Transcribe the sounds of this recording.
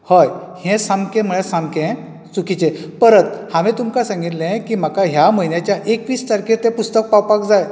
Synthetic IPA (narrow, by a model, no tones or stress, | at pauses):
həj | hɛ̃samkẽm̤əɭẽsãmkẽ | sukit͡ɕepəɾət̪haʋĩt̪umkasãŋɡit̪lẽkiːm̤akaɦjaməinjat͡ɕjaʔekʋiːst̪aɾkʰet̪ẽpust̪ək̚pawpakd͡zaj